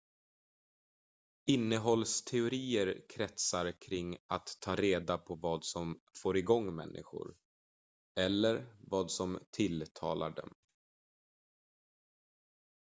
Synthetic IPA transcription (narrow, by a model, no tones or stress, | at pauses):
ɪnːəɦɔlst̪ʰɛʊɾiːəɾkʰɾɛt̪saɾkʰɾɪŋːat̪ʰːɑːɾeːd̪apʰɔvɑːd̪sɔmfoːɾɪɡɔŋːmɛ̰nːʔɪ̰ɧʊ̰ɾ | ɛlːəɾvɑːd̪sɔmt̪ʰɪlt̪ʰɑːlaɖɛ̰m